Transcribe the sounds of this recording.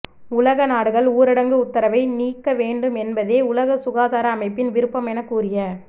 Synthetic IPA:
ʊlɐɣɐnaːɽɯɣɐɭuːɾɪɽɐŋɡɯʊt̪ːɐɾɐʋɐɪniːkːɐʋeːɳɖɯmɛnbɐðeːʊlɐɣɐsʊɣaːðaːɾɐːmɐɪpːɪnʋɪɾɯpːɐmɛnɐkːuːɾɪjɐ

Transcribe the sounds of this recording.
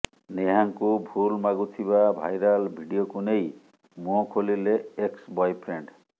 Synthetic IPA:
neɦaŋkubʱulmaɡut̪ʰiβabʱa̰jɾalbʱiɖijokunej | muɔkʰolileeksbɔjpʰɾeɳɖ

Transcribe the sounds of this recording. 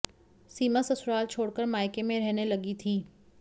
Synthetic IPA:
siːmasɐsʊɾaːlt͡ʃʰoːɽkəɾmaːɪkemẽɾɛɦnelɐɡit̪ʰiː

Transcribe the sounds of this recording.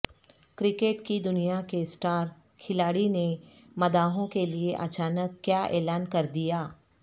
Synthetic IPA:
kɾɪkeːʈkid̪ʊnijakesʈaːɾ | kʰɪlaːɽine | mɐd̪aːɦõkelieʔɐ̰t͡ʃaːnəkːjaːʔɛ̰ːlaːnkɐɾd̪ijaː

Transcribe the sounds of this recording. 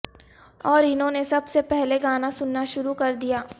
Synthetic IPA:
ɔːɾɪnɦõnesɐbsepɛɦleɡaːnasʊnːaʃʊɾukɐɾd̪ijaː

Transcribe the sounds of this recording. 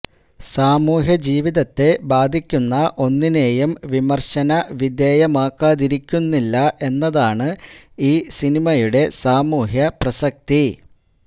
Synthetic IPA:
saːmuːɦjɐd͡ʑiːʋiðɐt̪ːe̞baːd̪ʱikʲːunːɐʔo̞nːine̞ːjumʋimɐrɕɐnɐʋid̪eːjɐmaːkːaːðiɾikʲːunːilːɐʔe̞nːɐðaːɳɨiːsinimɐjuɽe̞saːmuːɦjɐprɐsɐk̚t̪i

